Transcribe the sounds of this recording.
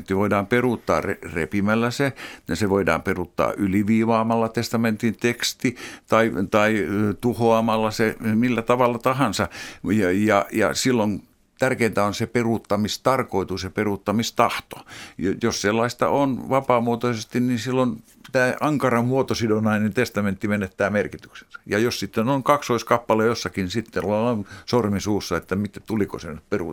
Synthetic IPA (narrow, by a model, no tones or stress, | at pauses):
t̪ːiʋoidɑːmperuˑt̪ːɑ̰ːrerḛpimælːæseseʋoidɑ̰ːmperut̪ːɑ̰ːʔyliʋiːʋɑːmɑlːɑt̪est̪ɑment̪int̪ekst̪it̪ɑit̪ɑit̪uhoɑmɑlːɑsemilːæt̪ɑʋɑlːɑt̪ɑhɑnsɑjɑjɑjɑ̰silːon | t̪ærkeːnt̪æonseperut̪ːɑmist̪ɑrkoit̪useperut̪ːɑmist̪ɑht̪o̥jjosselːɑist̪ɑ̰ʔonʋɑpɑːmuot̪osest̪inninsilːon | t̪æːʔɑŋkɑrɑmmuot̪osidonɑinent̪est̪ɑment̪ːimenet̪ːæːmerkit̪y̥kse̥nsɑ̥jɑjossit̪ːenoiŋkɑksoiskɑpːɑlejosːɑkinsit̪ːelɑɑnsormisuːsːɑet̪ːæmit̪et̪uliko̰senypperu